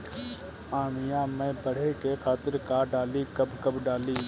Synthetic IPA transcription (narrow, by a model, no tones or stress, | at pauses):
aːɳɪjãːmɛ̃ːbəɽ̤eːkeːkʰaːt̪ɪɾkaːɖaːliːkəbkəbɖaːliː